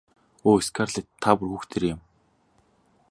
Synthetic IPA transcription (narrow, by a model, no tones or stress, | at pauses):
oːiskʰarɮet̪ʰːapʊ̆rxuːxt̪ʰeɾeɪ̆m